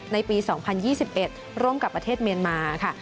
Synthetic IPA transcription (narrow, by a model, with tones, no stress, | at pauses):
na˧jpiː˧sɔː˩˦ŋpʰa˧njiː˥˩si˨˩p̚ʔe˨˩t̪̚ | ɾoː˥˩˨mka˨˩pːɾa˧t̪ʰeː˥˩t̪̚mi˧ənmaː˧kʰa˥˩